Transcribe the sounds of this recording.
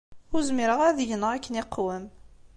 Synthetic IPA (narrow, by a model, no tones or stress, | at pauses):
ʊɾzmiɾəʁæðʝənəʁækːəniqːwəm